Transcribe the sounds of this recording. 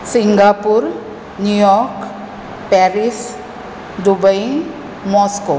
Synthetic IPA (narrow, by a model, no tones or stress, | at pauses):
siŋɡapuɾ | njujɔk | pɛɾis | d̪ubəj | mɔsko